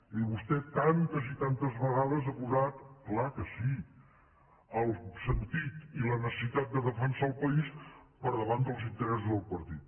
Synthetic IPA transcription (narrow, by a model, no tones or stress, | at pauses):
iβust̪ɛt̪ant̪aʒit̪ant̪əzβəɣaðəzəkuzat̪klakəsi | əlˠsənt̪it̪ilənəsəsit̪at̪̚d̪əðəfənsalˠpəispəɾðəβand̪əlˠzint̪əɾɛsuzðəlˠpəɾt̪it̪̚